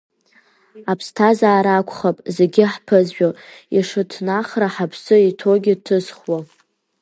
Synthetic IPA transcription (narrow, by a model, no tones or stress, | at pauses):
apʰstʰazaːɾakʷʰχapʼzeɡʲɪħpʰɨzʒᶣoiʂɨtʰnaχraħapʰsɨitʰoɡʲɪtʰɨzχwa